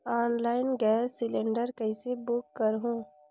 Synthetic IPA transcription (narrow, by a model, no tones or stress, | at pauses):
aːnlaːɪnɡɛːssɪlẽɳɖəɾkɐɪsebʊkːəɾɦũː